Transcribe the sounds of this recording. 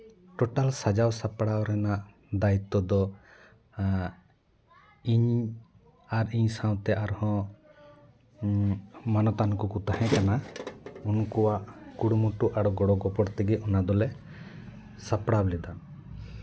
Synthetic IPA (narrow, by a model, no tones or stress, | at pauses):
ʈɔʈalsad͡ʒawsapɽawɾɛnaʔ | d̪ait̪ːɔd̪ɔ | iɲ | aɾiɲsaw̃t̪ɛʔaɾhɔ̃ | manɔt̪ankukut̪aɦɛ̃kanaunɔkɔwaʔkuɽumuʈuʔaɽɔɡɔɽɔɡɔpɔɽt̪ɛɡɛɔnad̪ɔlɛ | sapɽawlɛd̪an